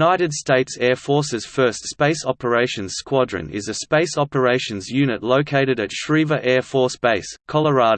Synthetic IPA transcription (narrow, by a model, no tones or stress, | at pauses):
naɪɾɨd̥steɪtsɛɹfɔɹsɨz̥fɜ˞stspeɪsɑpə˞eɪʃɨ̃n̥skwɑdɹɨ̰̃nɪ̰zɨspeɪsɑpə˞eɪʃɨ̃nzjʉnɨtˡləʊkʰeɪɾɨɾɨtʃɹivəʔɛɹfɔɹsb̥eɪskʰɑlˠə˞ɑɾ